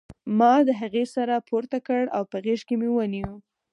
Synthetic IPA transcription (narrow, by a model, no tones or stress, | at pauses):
mɑd̪əɦaɣesaɾapʰoɾt̪akəɽa̰wpəɣeʃkemewəniwu